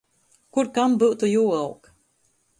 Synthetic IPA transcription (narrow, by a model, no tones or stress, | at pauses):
kuɾkambɨʔt̪ujuːawk